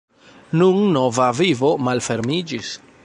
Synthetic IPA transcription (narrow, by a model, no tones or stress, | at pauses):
nunno̞vavivo̞malfe̞ɾmid͡ʒis